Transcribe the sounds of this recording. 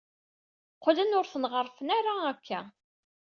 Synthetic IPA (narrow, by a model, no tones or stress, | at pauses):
qːlənʊɾθənʁəɾˤfənæɾaækʰːæ